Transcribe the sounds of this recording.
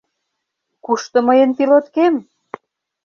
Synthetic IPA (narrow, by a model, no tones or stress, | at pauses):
kuʃt̪ə̆məjənpilot̪kem